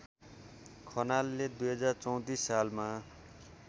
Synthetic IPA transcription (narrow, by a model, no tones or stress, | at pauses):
kʰʌnalːed̪ujɦʌd͡zart͡sʌw̃t̪isːalma